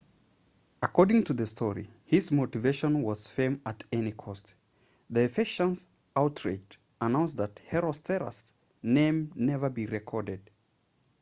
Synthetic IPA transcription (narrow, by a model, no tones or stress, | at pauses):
əkʰɔɹdɪ̃ŋtʰɨðɨstʰɔɹḭhɪzmoʊtɨveɪʃə̃nwʌz̥fɛ̃mətɛnikʰɔst | ðiɨfɪʃə̃ns | aʊtʰɹḛd͡ʒd | ənãʊ̃nsðət̚hɛɹɔstʰɛɹə̰s | nẽɪ̃mnɛvə˞biɹɛkʰɔɹdɨd̥̚